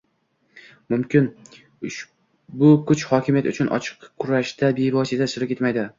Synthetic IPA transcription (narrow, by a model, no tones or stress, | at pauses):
mʊmkʲɪn | ʊʃ | bʊkʰʊt͡ʃhɒkʲɪmijat̪ʊt͡ʃʰʊnʔɒ̰t͡ʃʰɨ̥qːʰʊɾaʃd̪abe̞vɒsɪt̪ʰasʊɾɪkʲe̞t̪majd̪ɪ